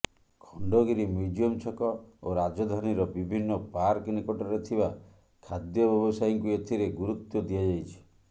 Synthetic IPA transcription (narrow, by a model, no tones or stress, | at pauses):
kʰɔɳɖɔɡiɾimud͡ʒiɔmt͡ʃʰɔkɔoɾad͡ʒɔd̪ʱaniɾɔbibʱinːɔpaɾknikɔʈɔɾet̪ʰiba | kʰad̪jɔbjɔbɔsajɔŋkuet̪ʰiɾeɡuɾut̪jɔd̪iad͡ʒajt͡ʃʰi̥